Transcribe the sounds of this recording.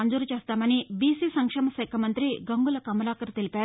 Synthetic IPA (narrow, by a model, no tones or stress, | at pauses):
and͡zuɾt͡ɕast̪amɐñibisiːsɐŋkʂɐmɐsɐjkʰɐmənt̪ɾiːɡəŋɡulɐkɐmɾakəɾt̪ilpa